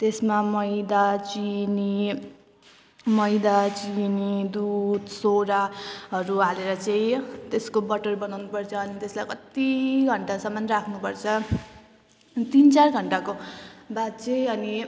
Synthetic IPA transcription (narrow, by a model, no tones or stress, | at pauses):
t̪esmamʌjd̪at͡sini | mʌjd̪at͡sinid̪ud̪soɾaɦʌɾualeɾʌt͡saĩt̪eskobʌʈʌrbʌnawnupʌrt͡sʰʌːnit̪eslajkʌt̪iɡʱʌɳʈasʌmanrakʰnupʌrt͡sʰʌ | t̪int͡sarɡʱʌɳʈakobad̪t͡seʌni